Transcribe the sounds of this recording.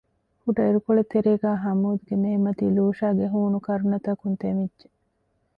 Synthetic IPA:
kuʈɐiɾukoɭet̪ːeɾeːɡæːɦɐmuːd̪uɡeneːmɐt̪iːluːʃaːɡeɦuːnukɐɾunɐt̪ɐkunt̪emidd͡ʒe

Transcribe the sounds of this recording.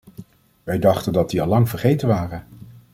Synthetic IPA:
ʋɛjdɑχtəndɑt̚diɑlːɑŋvəɹχejtənʋaːrən

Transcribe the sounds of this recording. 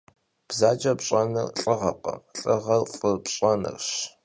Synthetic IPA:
b̥zaːt͡ʃʼɐpɕʼɐnɨrɬʼɨʁɐqɐ̰ɬʼɐʁɐrfʼɨrpɕʼɐnɨ̰rɕ

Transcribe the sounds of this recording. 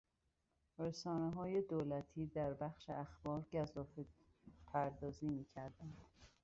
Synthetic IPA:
resɒːneɦɒːje̞d̪oːlæt̪ʰiːd̪æɾbæxʃḛʔæxb̥ɒːɾɟæzɒːfe | pʰæɾd̪ɒːziːmiːcʰæɾd̪ænd̪̥

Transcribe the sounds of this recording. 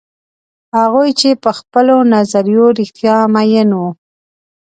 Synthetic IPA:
haɣujt͡ʃepəxpəlonazaɾijoɾixt̪jɑmajənwu

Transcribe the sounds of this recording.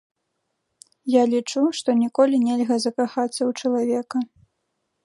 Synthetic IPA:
jalʲit͡ʂuʂt̪ɔnʲikɔlʲinʲɛlʲɣɐzɐkaxat̪sːɐwt͡ʂɐlˠavʲɛkɐ

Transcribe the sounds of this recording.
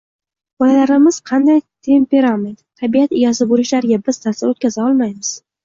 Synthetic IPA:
b̥ɒlalaɾɪmɪz̥qʰɑnd̪ajt̪ʰe̞mpe̞ɾament̪t̪ʰabiat̪ɪjɒzɪboɾɪʃlaɾɪɡʲabɪz̥t̪ʰasɪot̪̚kʲazaɒlˠmajmɪz̥

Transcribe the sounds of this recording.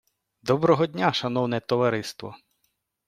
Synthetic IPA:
d̪ɔbɾɔɦɔdʲnʲaʃɐnɔwnɛt̪ɔʋɐɾɪst̪ʋɔ̰

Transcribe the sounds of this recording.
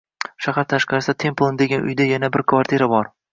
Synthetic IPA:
ʃahaɾt̪ʰaʃqɑɾɪsat̪ʰe̞mplˠond̪e̞ɡʲanʔʊ̰jd̪ajanabɪɾkʰvaɾt̪ʰiɾabɒɾ

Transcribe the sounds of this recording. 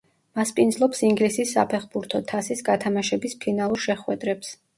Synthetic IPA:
maspʼind̪zlˠɔpsiŋɡlisisːa̰pʰɛχbuɾt̪ʰɔt̪ʰasisɡat̪ʰamaʃɛbispʰinalˠuɾʃɛχwɛd̪ɾɛps

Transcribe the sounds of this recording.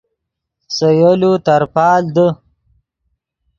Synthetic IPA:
səjolut̪aɾpɑːld̪ə

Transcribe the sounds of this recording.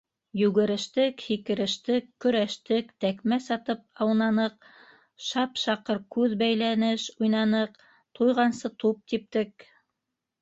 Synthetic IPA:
jʉɣɘ̆ɾɘ̆ʃt̪ɘkhikɘ̆ɾɘ̆ʃt̪ɘkːɵ̆ɾæʃt̪ɘkt̪ækmæsɑt̪ɤp̚ɑwnɑnɤq̚ | ʃɑpʃɑqɤɾkʉðbæjlænɘʃujnɑnɤq | t̪ʰujʁɑnsɤt̪up̚t̪ip̚t̪ɘk

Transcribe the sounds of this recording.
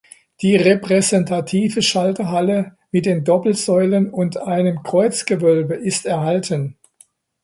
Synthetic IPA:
d̥iːʁepʁ̥ɛzɛntʰatʰiːvəʃaltəɦalə | mɪt̚d̥eːndɔpl̩zɔʏlənʊntʔaɪnəmkʁ̥ɔʏt͡sɡ̥əvœlbəʔɪstɛɐhaltʰən

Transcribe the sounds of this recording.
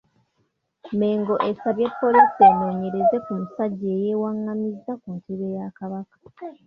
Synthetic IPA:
me̞ːŋɡo̞ʔe̞saβjepːo̞lisenːo̞ːɲe̞ɾe̞ze̞kumusaɟːe̞ːje̞ːwaŋːamizːakuntʰeβe̞jakaβakḁ

